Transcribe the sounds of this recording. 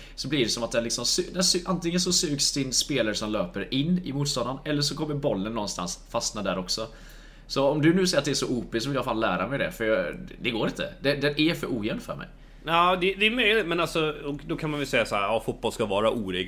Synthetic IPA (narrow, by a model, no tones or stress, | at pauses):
sɔbliːɖɛsɔmat̪̚d̪ɛnlɪksɔmsʉd̪ɛnsʉʔant̪ɪŋːənsɔsʉːɡsd̪ɪnːspeːlaɾʂɔmløːpəɾɪnːɪ̰muːt̪st̪ɔnd̪anɛlːəʂɔkɔmːəɾbɔlːənːɔnst̪a̰nsfast̪nad̪æːɾɔksɔ | sɔɔmd̪ɵnʉ̟ːsɛjat̪̚d̪ɛæʂɔʔuːpɪs̬ɔvɪljafaːllæːɾamɛjd̪ɛ̰fœɾjɑd̪ɛɡoːɾɪnt̪ʰə̰d̪ɛd̪ɛnæfœɾuːjɛnfœ̰ɾmɛ̰j | ɑːd̪ɛd̪ɛːmœjlɪt̪mɛnalsɔɔd̪ɔkʰanmanvɛlsɛjːasɔhæːɾɑːfʊt̪̚bɔlskavɑːɾaʔuːɾiːɡ